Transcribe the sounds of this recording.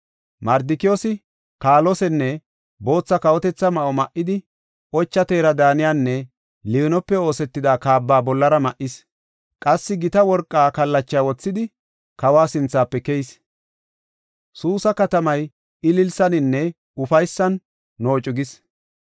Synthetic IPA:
mɐɾd̪ɪkɪjɔsɪ | kaːlɔsɛnːɛ | bo̞ːt͡sːɐkɐwɔt̪ɛt͡sːɐmɐʔɔmɐʔːɪd̪ɪ | ʔɔt͡ʃːɐt̪e̞ːɾɐd̪aːnɪjaːnːɛ | liɔnɔpːɛo̞ːsɛt̪ːɪd̪aːkaːbːaːbɔlːɐɾɐmɐʔɪs | kʼɐsːɪɡɪt̪ɐwɔɾkʼːaːkɐlːɐt͡ʃːɪjaːwɔt͡sːɪd̪ɪ | kɐwaːsɪnt͡sːaːpːɛkɛjs | suːsɐkɐt̪ɐmɐj | ɪlɪlsɐnɪnːɛ | ʊfɐjsːɐnː | o̞ːt͡ʃʼʊɡɪs

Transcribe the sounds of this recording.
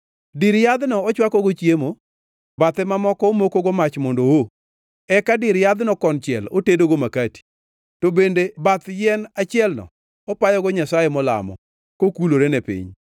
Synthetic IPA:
dɪɾjad̪nɔɔt͡ʃwakɔɡot͡ʃjemo | bat̪ɛmamɔkɔːmokoɡomat͡ʃmɔndowo | ɛkadɪɾjad̪nɔkɔnt͡ʃɪɛlotedoɡomakati̥ | tobendebat̪jɛnat͡ʃɪɛlnɔ̰ | ɔpajɔɡɔɲasajemɔla̰mɔ̰ | kokuloɾenepḭɲ

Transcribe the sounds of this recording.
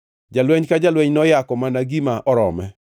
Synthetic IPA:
d͡ʒalwɛɲkad͡ʒalwɛɲnɔjakɔmanaɡimaʔɔɾɔ̰mɛ

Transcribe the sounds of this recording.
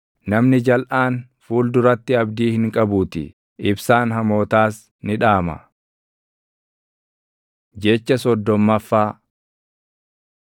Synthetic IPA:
nɐmnɪd͡ʒɐlʔaːn | fuːld̪ʊɾɐt̪ːɪɐbd̪iːhɪŋkʼɐbuːt̪ɪ̰ | ɪbsaːnɦɐmo̞ːt̪aːs | nɪᶑaːmɐ̰ | d͡ʒɛt͡ʃːɐsɔd̪ːɔmːɐfːaː

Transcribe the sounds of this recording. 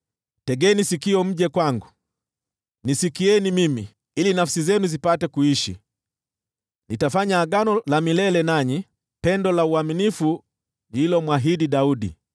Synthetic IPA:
tɛɡɛnisikiɔm̩ʄɛkwaŋɡu | nisikiɛnimimi | ilinafsizɛnuzipatɛkuiʃḭ | nitafaɲaːɡanɔlamilɛlɛnaɲi | pɛndɔlauaminifu | ilɔmwaɦidiɗaudḭ

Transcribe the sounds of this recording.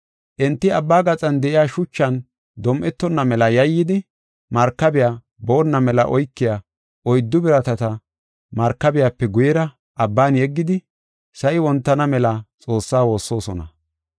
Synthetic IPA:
ʔɛnt̪ːɪɐbːaːɡɐt͡sʼɐnd̪ɛʔɪjaːʃʊt͡ʃːɐn | d̪ɔmʔɛt̪ːɔnːɐmɛlɐjɐjːɪd̪ɪ | mɐɾkːɐbɪja | boːnːɐmɛlɐ̰ʔɔjkːɪja | ʔɔjd̪ːʊbɪɾɐt̪ɐt̪ɐ | mɐɾkːɐbɪjapːɛɡʊjɛɾɐ | ʔɐbːaːnjɛɡːɪd̪ɪ | sɐjɪwɔnt̪ːɐnɐmɛlɐt͡sʼo̞ːsːaːwo̞ːsːo̞ːsɔnɐ̰

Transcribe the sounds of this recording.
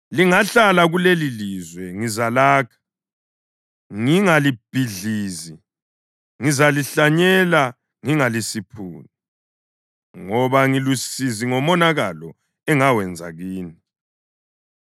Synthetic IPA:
liŋaɬalaɣulelilizwɛŋizalaːkʰḁ | ŋiŋalib̥ʱiɮiːzi | ŋizaliɬaɲɛla | ŋiŋalisipʰṵːni | ŋɔβaŋilusiziŋɔmɔnaɣalɔ | ɛŋawɛnd͡zʱa̰ɣiːni

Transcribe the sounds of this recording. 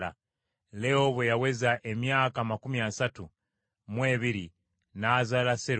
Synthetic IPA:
a̰ | leoβwejawe̞zaʔe̞mjaːkamakumiasatu | mwe̞ːβiɾi | naːzalaseɾ

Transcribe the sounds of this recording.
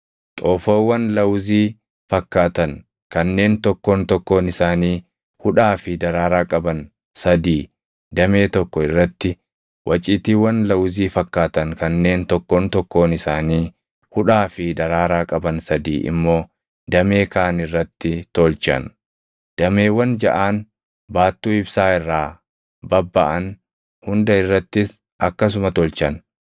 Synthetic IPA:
t̪ʼoːfoːwːɐnlɐwziː | fɐkːaːt̪ɐn | kɐnːe̞ːnt̪ɔkːoːnt̪ɔkːoːnɪsaːniː | hʊᶑaːfɪd̪ɐɾaːɾaːkʼɐbɐn | sɐd̪iː | d̪ɐme̞ːt̪ɔkːɔɪrːɐt̪ːɪ | wʔɐt͡ʃʼɪːt̪iːwɐnlɐwziːfɐkːaːt̪ɐŋkɐnːe̞ːnt̪ɔkːoːnt̪ɔkːo̞ːnɪsaːniː | hʊᶑaːfɪd̪ɐɾaːɾaːkʼɐbɐnsɐd̪iːʔɪ̰mːo̞ː | d̪ɐme̞ːkaːnɪrːɐt̪ːɪt̪ɔlt͡ʃɐ̰n | d̪̥ɐmeːwɐnd͡ʒɐʔaːn | baːt̪ːuːɪbsaːɪrːaː | bɐbːɐʔɐn | hʊnd̪ɐɪrːɐt̪ːɪs | ʔɐkːɐs̬ʊmɐt̪ɔlt͡ʃɐn

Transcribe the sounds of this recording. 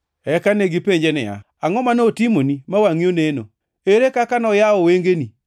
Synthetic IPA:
ɛkaneɡipeɲd͡ʒɛnɛ̰a̰ | aŋɔmanotimonimawaŋioneno̰ | eɾekakanɔjaɔweŋɡeni

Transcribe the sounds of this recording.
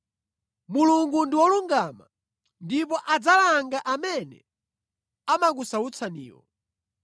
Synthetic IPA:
muluŋɡundiwɔluŋɡama | ndipɔʔad͡zalaŋɡaʔamɛnɛ | amak̬usaut͡sʰanḭːwɔ̰

